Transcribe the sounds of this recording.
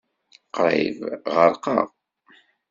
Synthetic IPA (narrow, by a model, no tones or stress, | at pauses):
qɾˤḛvʁəɾqɑ̰ʁ